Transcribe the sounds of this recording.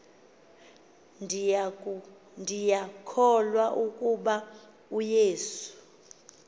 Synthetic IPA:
ndʱijakʰɔlwaʔukʼuɓa | ujeːsu̥

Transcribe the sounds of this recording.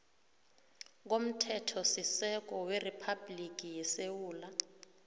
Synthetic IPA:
k̬om̩tʰɛtʰɔsisɛk̬ɔweripʰablik̬ʼijɛsewuːla

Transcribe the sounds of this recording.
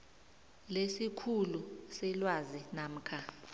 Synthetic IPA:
lesikʰulusɛlwazinam̩kʰa

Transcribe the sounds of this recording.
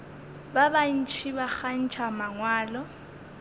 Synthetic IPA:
baban̩t͡ʃʰibak͡xan̩t͡ʃʰamaŋwaːlɔ

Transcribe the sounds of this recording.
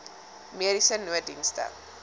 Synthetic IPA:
meɾisənːuədḭnstə̰

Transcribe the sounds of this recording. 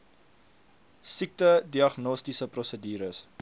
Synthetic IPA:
sik̚tədiɐχnɔstisəprɔsədiːɾəs

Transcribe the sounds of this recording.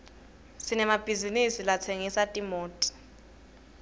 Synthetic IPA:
sinɛmab̥ʱizinisilat͡sʰeŋisatʼimoːtʼi̥

